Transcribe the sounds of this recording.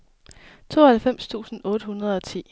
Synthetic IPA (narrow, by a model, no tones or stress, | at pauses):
t͡sʰo̝̰ːhælfem̰st͡sʰṵːsn̩ɔ̽ːɾ̥əhunɐð̞̩ˠɒ̽t͡sʰḭː